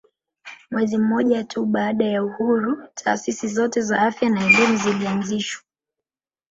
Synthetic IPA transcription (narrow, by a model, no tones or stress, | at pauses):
mwɛzim̩mɔʄatʰuɓaːɗajauhuɾutʰa̰ːsisizɔtɛzaafjanaɛlimizilianziʃwḁ